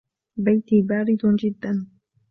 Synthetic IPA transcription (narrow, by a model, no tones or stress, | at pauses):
bajt̪ibaːɾɪd̪d͡ʒɪd̪ːan